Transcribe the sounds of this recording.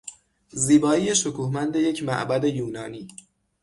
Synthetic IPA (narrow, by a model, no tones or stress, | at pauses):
ziːbɒːiːje̞ʃokʰuːhmænd̪e̞je̞cʰmæ̰ʔbæd̪e̞juːnɒːniː